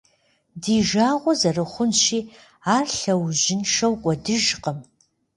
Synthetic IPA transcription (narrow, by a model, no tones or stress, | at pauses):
diːʒaːʁʷɔzɐrɨχʷʊnʃiː | aːrɬɐwʒɪnʂɐwkʷʼɔdɨʒqʼəm